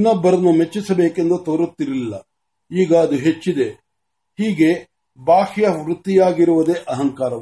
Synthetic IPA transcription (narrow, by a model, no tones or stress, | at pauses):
inːɐbːɐɾɐnːumet͡ʃːisɐbeːke̞nd̪ut̪oːɾut̪ːiɾilːɐ | iːɡɐːd̪uɦe̞t͡ʃːid̪e̞ | hiːɡe̞ | baːʃjɐʋɾut̪ːijaːɡiɾuʋɐd̪e̞ːʔɐɦɐŋkaːɾɐʋ